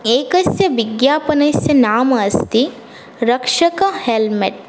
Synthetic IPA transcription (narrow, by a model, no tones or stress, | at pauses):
eːkɐsjɐʋiɡjaːpɐnɐsjɐnaːmɐɐst̪i | ɾɐkʂɐkɐhelmeʈ̚